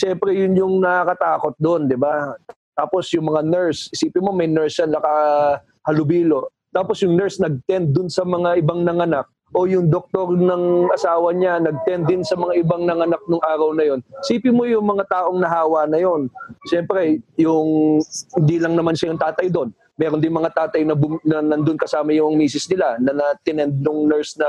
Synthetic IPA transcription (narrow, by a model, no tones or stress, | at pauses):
ʃɛmpɾɛjʊnjʊŋnɐakɐt̪aːko̞t̪̚d̪o̞nd̪ɪba | t̪aːpo̞sjʊŋmɐŋanɛɹsʔɪsiːpɪmo̞mɐjnɛɹsjanlɐkɐ | hɐlʊbiːlo̞ | t̪aːpo̞sjʊŋnɛɹsnɐɡ̚t̪ɛnd̪̚ːʊnsɐmɐŋaʔɪbaŋnɐŋɐnak̚ | ʔo̞jʊŋd̪ok̚t̪o̞ɾnɐŋʔɐsaːwɐɲanɐɡ̚t̪ɛnd̪ːɪnsɐmɐŋaʔɪbaŋnɐŋɐnak̚nʊŋʔaːɾɐwnɐjo̞nsiːpɪmojʊŋmɐŋat̪aːʔo̞ŋnɐɦaːwɐnɐjo̞nʃɛmpɾɛjʊŋhɪnd̪iːlɐŋnɐmanʃɐjʊŋt̪aːt̪ɐjd̪o̞n | mɛːɾond̪ɪnmɐŋat̪aːt̪ɐjnɐbʊmnɐnɐnd̪onkɐsaːmɐjʊŋmiːsɪsnɪlanɐnɐt̪ɪnɛnd̪̚nʊŋnɛɹsnɐ